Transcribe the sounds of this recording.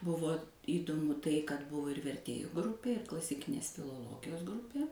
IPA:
ˈbʊʋoː iːdoːˈmʊ ˈtɐɪ kɐt ˈbʊʋoː ɪr ʋʲɛrʲˈtʲeːjʊ ˈɡrʊpʲeː ɪr klˠɐsʲɪˈkʲɪnʲeːs fʲɪlˠoːˈlˠoːɡʲɪjoːs ˈɡrʊpʲeː

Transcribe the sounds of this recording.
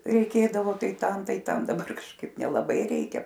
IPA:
rʲɛɪˈkʲeːdɐʋoː ˈtɐɪ ˈtɐm ˈtɐɪ ˈtɐm dɐˈbɐr kɐʃˈkɐɪp nʲɛlˠɐˈbɐɪ ˈrʲɛɪkʲɛ

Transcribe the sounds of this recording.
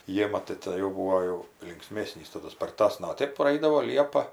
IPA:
ˈjeːmɐ tɐɪ ˈtʲeːn jɛʊ ˈbuːoː jɛʊ lʲɪŋkˈsʲmʲæːsʲnʲiːs tɐˈdʊ spɐrˈtɑːsnɐ oː ˈtʲeːp prɐˈɐɪdɐʋoː ˈlʲiɛpɐ

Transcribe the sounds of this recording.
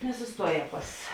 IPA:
nʲɛsʊsˈtuɔˌjɛː ˈpɐs

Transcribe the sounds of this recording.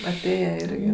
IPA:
ɐˈtʲeːjɛ ˈɪrʲɡʲɪ

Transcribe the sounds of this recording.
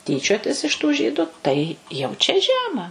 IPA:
ˈtʲiːt͡ʃʲoːtʲɪs ɪʃ tuː ˈʒʲiːdʊ ˈtɐɪ jɛʊ t͡ʃʲɛ ˈʒʲæːmɐ

